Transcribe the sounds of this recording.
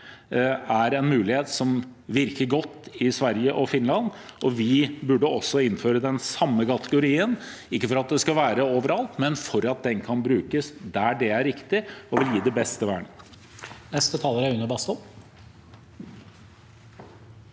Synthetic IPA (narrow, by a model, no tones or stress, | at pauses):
æɾɛnmʉːlɪheːt̪sɔmʋɪɾkəɾɡɔt̪ːɪsʋæɾjəʔɔfɪnlɑnɔʋɪbʉɖəɔsːɔɪnføːɾəd̪ɛnsɑmːəkɑt̪əɡʊɾiːənɪkːəfɔɾɑt̪̚d̪ɛskɑʋæːɾəoːʋəɾɑlt̪mɛnfɔɾɑt̪̚d̪ɛnkʰɑnbɾʉːkəsd̪æɖɛæɾːɪkt̪ɪɔʋɪljiːd̪ɛbɛst̪əʋæ̰ːɳə | nɛst̪ət̪ʰɑːləɾæɾʉnəbɑst̪ɔl